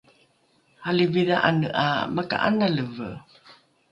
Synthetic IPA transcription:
haliviðaʔanə̰ʔa̰maka̰ʔa̰naləvə̰

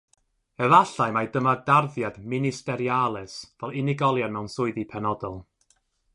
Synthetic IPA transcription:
ɛvaɬajmajdəmadarðjadmɪnɪstɛɾjalˠɛsvɛlˠɪnɪɡɔlˠjamɛwnsʊɨðipʰɛnɔdɔlˠ

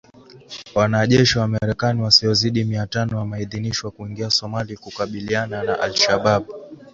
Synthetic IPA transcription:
wanaʄɛʃiwamaɾɛkaniwasiɔziɗimiatanɔjamaiðiniʃwakuiŋɡiasɔmalikukaɓiliananaʔalʃaɓaɓ

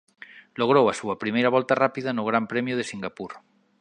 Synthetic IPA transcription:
loɣɾowasuapɾimejɾaβ̞ɔlt̪arapiðanoɣɾampɾemjoð̞esiŋɡapuɾ

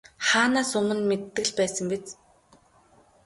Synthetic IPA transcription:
χaːnaːsɵmɘ̆nmet̪ːɘ̆ɮpæːsə̆ŋpet͡s

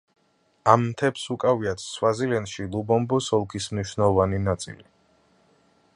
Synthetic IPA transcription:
amːt̪ʰɛpsukʼaviat̪ʰswazilɛnʃilˠubɔmbɔsɔlˠkʰismniʃnɛlˠɔvaninat̪sʼḭli

